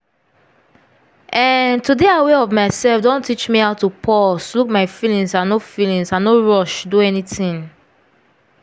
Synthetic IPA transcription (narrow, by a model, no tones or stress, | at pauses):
ɛntudeaweɔvmaɪsɛlfdõntit͡ʃmiaʊtːupʰɔlsluk̚maɪfilĩŋsanofilĩŋsãnoɹɔʃduɛnitĩŋ